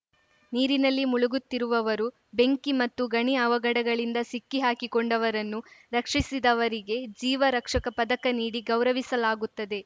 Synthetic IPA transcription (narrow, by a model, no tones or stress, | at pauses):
niːɾinɐlːimuɭuɡut̪ːiɾuʋɐʋɐɾu | be̞ŋkimɐt̪ːuɡɐɳiɐʋɐɡɐɽɐɡɐɭind̪ɐsikːiɦaːkikoɳɖɐʋɐɾɐnːuɾɐkʂisid̪ɐʋɐɾiɡe̞d͡ʒiːʋɐɾɐkʂɐkɐpɐd̪ɐkɐniːɽiɡɐwɾɐʋisɐlaːɡut̪ːɐd̪e̞